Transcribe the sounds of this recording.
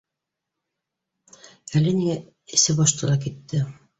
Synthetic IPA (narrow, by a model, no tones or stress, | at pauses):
ælɘniŋæ | ɘ̆sɘbɑʃt̪ɤ̆d̪ɑkit̪ːɘ